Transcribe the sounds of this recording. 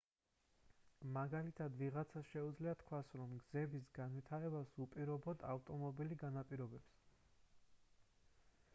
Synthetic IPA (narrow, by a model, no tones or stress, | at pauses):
maɡalit̪ʰad̪viʁat̪sʰasʃɛud̪zliat̪ʰkʰwasɾɔmɡzɛbisɡanvit̪ʰaɾɛbasupʼiɾɔbɔd̪aft̪ʼɔmɔbiliɡanapʼiɾɔbɛbs